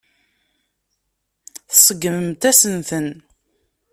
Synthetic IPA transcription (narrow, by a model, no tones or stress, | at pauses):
θsˤəɡːəməmt̪æsənθən